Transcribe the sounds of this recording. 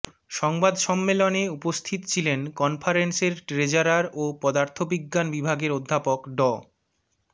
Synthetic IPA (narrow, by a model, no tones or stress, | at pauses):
ʃɔŋbad̪ʃɔmːeloneupost̪ʰit̪ot͡ɕʰilenkɔnfʰaɾenseɾʈɾed͡ʑaɾaɾopɔd̪aɾt̪ʰobiɡːanbibʱaɡeɾod̪ʱːapokɖɔ